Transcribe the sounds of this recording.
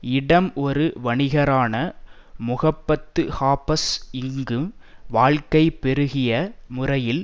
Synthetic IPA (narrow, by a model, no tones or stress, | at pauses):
ɪɽɐmɔɾɯʋɐɳɪɣɐɾaːnɐ | mʊɣɐpːɐt̪ːɯhaːpɐsɪŋɡɯmʋaːɻkɐɪpːɛɾɯɣɪjɐmʊrɐjɪl